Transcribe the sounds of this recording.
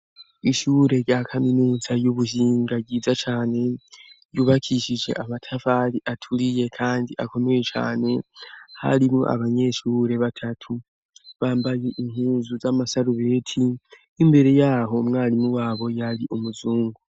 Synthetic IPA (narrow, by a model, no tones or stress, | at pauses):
iʃuːɾe̞ɾjakʰaminuːzajuβuɦiːŋɡaɟiːzat͡ʃaːne̞ | juːβakʰiʃid͡ʒe̞̰ʔamatʰavaɾiʔatʰuɾije̞kʰaːndiʔako̞me̞jet͡ʃa̰ːne̞ha̰ɾimŋo̰ʔa̰βaɲe̞ʃuːɾe̞βatʰatʰu | βaːmbajeʔiŋhuːzuzamasaɾuβe̞ːtʰiː | mbe̞ɾe̞jaːɦo̞mŋaːɾimuwaːβo̞jaɾiʔumuzuːŋɡu